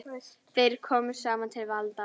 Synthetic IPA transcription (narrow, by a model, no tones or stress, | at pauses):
θejɾ̥kʰɔːmʏɾ̥saːmant̪ʰɪlvalt̪a